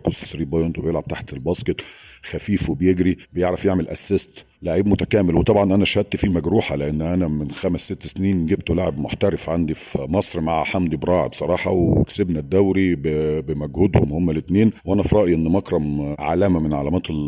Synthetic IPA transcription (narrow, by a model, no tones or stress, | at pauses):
kozfsɾiːbɑjent̪wbejelʕab̚t̪aħt̪elbɑːsket̪ˤxæfiːfwebejeɡɾibejeʕɾɑfjeʕmelʔæ̰sːest̪ | laʕiːbmʊt̪ækæːmelwet̪ˤɑbʕɑnʔænæʃhæd̪̚t̪fimæɡɾuːħaleʔenːʔænæmɪnxæmæsːet̪ːsniːnɡeb̚t̪olaʕebmoħt̪æɾefʕand̪ifmɑsˤɾmaʕħamd̪ibɾˤɑːʕḛbsˤɑɾˤɑːħɑ̰wḛksebnæd̪ːæwɾibbemæɡhʊd̪homhomːælet̪neːnwʔænæfɾˤɑʔjʔenːmɑkɾˤɑmʕa̰læːmæmenʕa̰læmæːt̪e